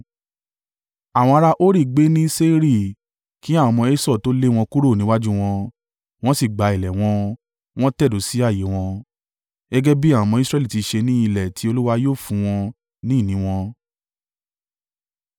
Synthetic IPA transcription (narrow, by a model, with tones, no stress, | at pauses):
a˨w̃ɔ̃˧a˧ɾa˧ʔo˦ɾi˦˨ɡ͡be˨˦nĩ˦se˦ɾi˦˨ | ki˨˦a˦˨ɔ̃˧mɔ̃˧e˦sɔ˦˨to˦le˦w̃ɔ̃˧ku˦ɾo˦˨nĩ˦wa˦d͡ʒu˦w̃ɔ̃˧ | w̃ɔ̃˦si˦˨ɡ͡ba˨˦i˨lɛ˨w̃ɔ̃˧ | w̃ɔ̃˦tɛ˦˨do˨˦si˨˦a˦˨je˨˦w̃ɔ̃˧ | ɡɛ˦ɡɛ˦bi˦ã˦˨ɔ̃˨˧mɔ̃˧i˦sɾɛ˦li˦˨ti˨˧ʃe˧nĩ˦i˧lɛ˨tʰi˧˦o˧lu˦wa˧joː˦˨fũ˧˦w̃ɔ̃˧ | nĩ˦˨nĩ˨˦w̃ɔ̃˧